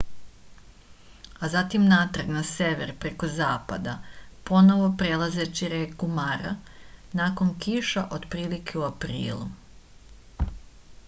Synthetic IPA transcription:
azat̪imnat̪r̩ɡnaseʋḛɾpɾe̞ko̞zaːpa̰d̪apo̞no̞ʋo̞pɾelˠaze̞t͡ɕiɾekumaɾa̰naːko̞nkiʃaʔo̞d̪pɾiːlikʰe̞uapɾḭːlˠṵ

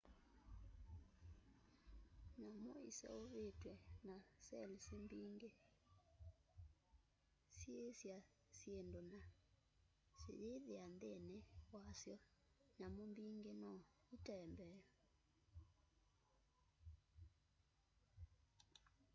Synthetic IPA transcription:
ɲamoisɛ̰oβetwɛnasɛlisembiŋɡe | sjesja | sjendona | sḛjeðeandenewasjɔ | ɲamombiːŋɡenɔ | utɛmbɛɔ

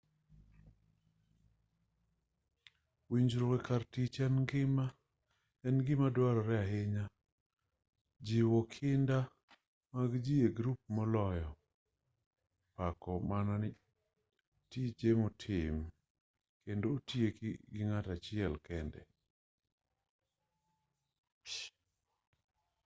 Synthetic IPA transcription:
wiɲd͡ʒɾokɛkartit͡ʃanɡɪma | ɛnɡɪmadwaɾɔɾɛaɦɪɲa | d͡ʒiwɔkʰɪnda | maɡd͡ʒijeɡɾup̚mɔlɔjɔ | pakɔmanɔnɪ | tid͡ʒemɔtʰɪm | kendoːtjekɡɪŋatat͡ʃɪɛlkɛndɛ

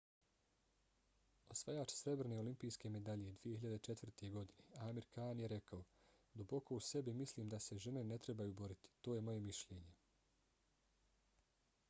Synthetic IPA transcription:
osʋajaːt͡ʃsɾe̞bɾeneolimpiːjske̞me̞d̪aʎe̞d̪ʋije̞hiʎad̪et͡ʃe̞t̪ʋr̩t̪ʰeɡo̞d̪ineaːmiɾkaːnjeɾe̞kaod̪ubo̞ko̞use̞bimisliːmd̪ase̞ʒe̞ne̞ne̞t̪ɾe̞bajuːbo̞ɾit̪i̥t̪oːje̞mo̞je̞miʃʎeːɲe̞

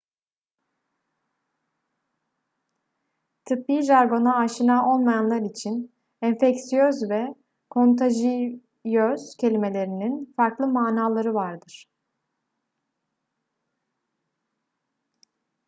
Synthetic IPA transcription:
t̪ʰɯpːiʒaɾɡo̞naːʃɯnaʔo̞lˠmajanlˠaɾit͡ʃʰin | ɛɱfɛcsijøzvɛ | kʰo̞nt̪ʰaʒi | jøz̥cʰe̞lʲime̞lʲe̞ɾininfaɾklˠɯmaːnaːlˠaɾɯvaɾd̪ɯɾ̥

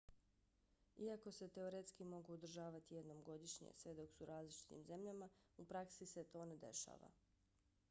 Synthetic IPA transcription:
iako̞se̞t̪e̞oɾet̪skimoɡuːd̪ɾ̩ʒaːʋat̪ije̞d̪nomɡo̞d̪iʃɲḛsʋe̞d̪o̞ksuɾaːzlit͡ʃi̥t̪ḭmze̞mʎamaupɾaksise̞t̪o̞ːne̞d̪e̞̰ʃa̰ːʋa̰

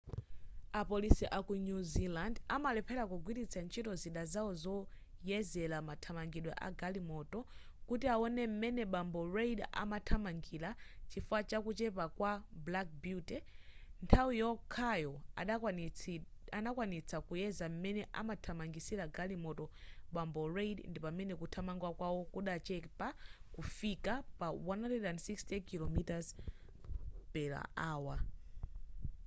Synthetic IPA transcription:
apɔlisiʔakunuzilandamalɛpʰɛlakuɡwiɾit͡sʰant͡ʃʰitɔziɗazaɔzɔ | jɛzɛlamatʰamaŋɡiɗwɛ̰ʔa̰ɡalimɔtɔkutiaɔnɛm̩mɛnɛɓambɔɾejɗaʔa̰matʰamaŋɡilat͡ʃifat͡ʃakut͡ʃɛpakwablak̚butɛntʰawijɔkʰajɔaɗ | anakwanit͡sʰakujɛzam̩mɛnɛʔa̰matʰamaŋɡisiɾaɡalimɔtɔɓambɔrejdndipamɛnɛkutʰamaŋɡwakwawɔkuɗat͡ʃɛpakufikapawanalɛɗansikstɛkilɔmitaz | pɛɾa̰aːwa

